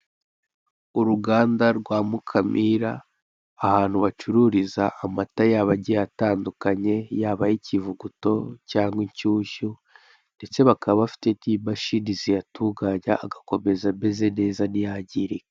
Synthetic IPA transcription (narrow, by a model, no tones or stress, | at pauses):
uɾuɡaːndaɾɡwaːmukʰamʔiɾaː | haːn̥huβat͡ʃuɾuːɾizaʔːmatajaβaɟiejataːndukaɲe̞jaːβajicivuɡuto̞caːŋɡwiɲcuːʃu | nde̞t͡se̞βakaβββafi̥tetiːbaʃinizijatʰuɡaɲaʔːɡako̞me̞zambe̞ze̞ne̞ːzanijaɟiːɾe